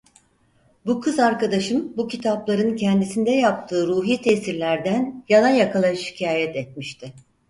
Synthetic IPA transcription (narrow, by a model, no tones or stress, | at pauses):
bukʰɯzaɾkad̪aʃɯnbucʰit̪ʰaplˠaɾɯncʰɛnd̪isind̪ɛjap̚t̪ʰɯːɾuːɦiːt̪ʰɛsiɾlʲæɾd̪ænjalˠajakʰalˠaʃi̥cʰaːjɛt̪ɛt̪̚miʃt̪ʰɪ